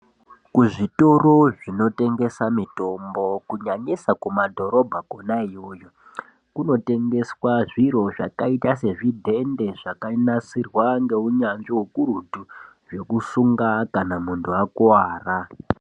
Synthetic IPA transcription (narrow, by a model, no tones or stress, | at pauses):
kuʐito̞ɾo̞ʐino̞te̞ŋɡe̞samito̞mbo̞kuɲaɲisakumadʱo̞ɾo̞bʱaɡʱonaijoːjo | kuno̞te̞ŋɡe̞swaʐiro̞ʐa̰kaitase̞ʐidʱe̞nde̞ʐakanasirwaŋɡe̞uɲanʐiwukuɾutu | ʐe̞kusuŋɡakanamuntʰuakwaːra